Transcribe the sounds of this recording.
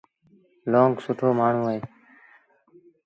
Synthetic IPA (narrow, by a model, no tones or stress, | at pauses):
loːŋɡsʊʈʰoːmaːɳ̤ũːeː